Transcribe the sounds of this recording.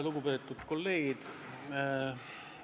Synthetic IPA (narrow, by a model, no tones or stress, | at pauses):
luɡupe̞ːt̪ːˑut̪ko̞lːe̞ːɡ̥id̪̥